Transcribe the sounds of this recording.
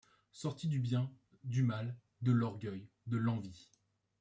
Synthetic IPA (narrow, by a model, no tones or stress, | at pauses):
sɔʁt̪id̪ybjɛ̃ | d̪ymal | d̪əlɔʁɡʲœj | d̪əlɑ̃vi